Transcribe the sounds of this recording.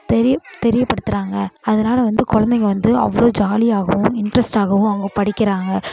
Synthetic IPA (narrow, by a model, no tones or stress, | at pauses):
t̪ɛɾɪjɐt̪ɛɾɪjɐpːɐɽɯt̪ːɯɾaːŋɡɐɐðɐnaːlɐʋɐnd̪ɯkɔɻɐnd̪ɛŋɡɐʋɐnd̪ɯɐ̰ʋːɐɭoːd͡ʒaːliaːɣɐʋʊ̃mɪɳɖɾɐsʈaːɣɐʋʊ̃mɐŋɡɐpɐɽɪkʲːɪɾaːŋɡɐ